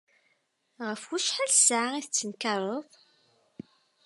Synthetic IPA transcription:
ʁəfwuʃħælsʕaiθət͡sːənkɑɾˤoðˤ

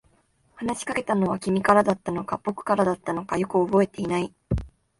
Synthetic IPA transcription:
hanaɕi̥kake̞t̪ano̞β̞akʲimʲikaɾad̪at̪ːano̞kabo̞kɯ̟̥kaɾad̪at̪ːano̞kajo̞kɯ̟o̞bo̞e̞t̪e̞inai

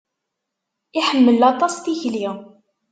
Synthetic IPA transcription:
ɪħəmːəlɑt̪ˤɑsθiçli

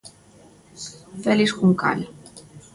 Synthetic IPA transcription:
fɛliʃkuŋka̰lʲ

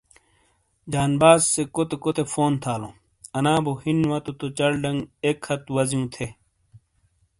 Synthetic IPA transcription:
d͡ʑaːnbaːzsekot̪ekot̪efoːnt̪ʰaːlõ̰ː | ɐnãːbohinwat̪ot̪ot͡ɕɐɽɖɐŋɡekhɐt̪wɐzjũːt̪ʰe

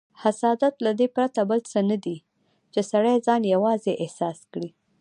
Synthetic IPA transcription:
hasɑd̪at̪lad̪epɾat̪abəlt͡sənad̪i | t͡ʃesaɽajzɑnjawɑzeʔɪhsɑskɽi

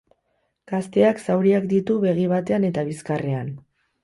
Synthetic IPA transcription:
ɡ̥ast̪e̞aksawɾiakd̪it̪uβe̞ɣ̞iβ̞at̪e̞ane̞t̪aβiskare̞an

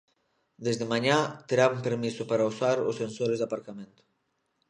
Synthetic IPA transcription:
d̪ezðemaɲat̪eɾaβmpeɾmisʊpaɾausaɾo̰sensoɾezd̪apaɾkamẽnt̪ʊ̥

